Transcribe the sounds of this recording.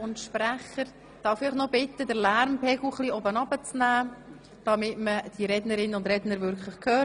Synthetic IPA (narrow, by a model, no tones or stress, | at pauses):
ʊntʃpɾæχəɾ | d̥ɑfɪχnɔbɪtːədəɾlæɾmpʰɛɡl̩χliːɔbənɑbət͡snæː | d̥ɑmɪtməd̥iɾɛdnəɾɪnʊndɾɛdnəɾvʏɾkχləχkʰøː